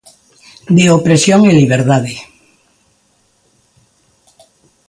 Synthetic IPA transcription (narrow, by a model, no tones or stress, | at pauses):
d̪eopɾesjoŋiliβeɾt̪aðe